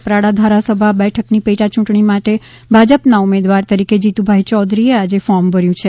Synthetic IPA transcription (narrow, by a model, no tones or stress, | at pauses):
pɾaɽad̪ʱaɾasəbʱabɛʈʰəknipeʈat͡ʃũʈɳimaʈe | bʱad͡ʒəpnaumed̪ʋaɾt̪əɾiked͡ʒit̪ubʱaɦit͡ʃɔd̪ɾiead͡ʒefɔɾmbəɾjũt͡ʃʰe